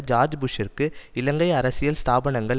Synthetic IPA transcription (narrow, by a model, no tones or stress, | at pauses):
d͡ʒaːɾd͡ʒbʊʂɐɾkɯɪlɐŋɡɐɪɐɾɐsɪjɐlst̪ʰaːbɐɳɐŋɡɐɭ